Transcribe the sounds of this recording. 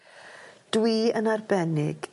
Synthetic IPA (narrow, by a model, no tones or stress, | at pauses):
d̥wiːənarbɛnɪ̰ɡ̥